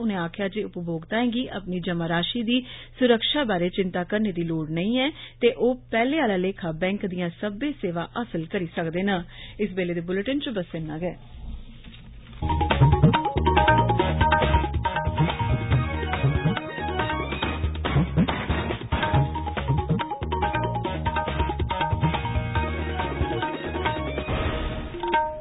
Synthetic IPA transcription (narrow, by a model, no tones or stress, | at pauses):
ʊnẽːaːkʰɪjaːd͡ʒeːʊpboːɡt̪aːɦɛ̃ːɡiːʔa̰ːpniːd͡ʒəmaːɾaːʃiːd̪iːsʊɾəkʃaːbaːɾeːt͡ʃɪnt̪aːkəɾneːd̪iːloːɽnəĩːɛːt̪eːʔoːpɛːleːaːlaːleːkʰaːbɛ̃ːŋkd̪ijãːsəbeːseːʋaːʔasəlkəɾiːsəkd̪eːnãːɪsbeːleːd̪eːbʊləʈənt͡ʃbəsenːãːɡɛː